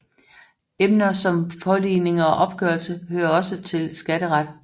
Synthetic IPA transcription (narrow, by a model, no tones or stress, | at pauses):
emnɐsɒ̽mfʰɒ̽liːne̝ŋɒ̽ʔɒ̽b̥̚ɡ̥œɐlsəhøːɐɒ̽sət͡sʰe̝lsɡ̥æɾ̥əʁɑd̥